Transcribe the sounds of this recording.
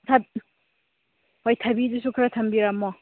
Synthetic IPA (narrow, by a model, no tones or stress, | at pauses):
tʰɐb | hojtʰɐbidusukʰɾatʰɐmbiɾamɔ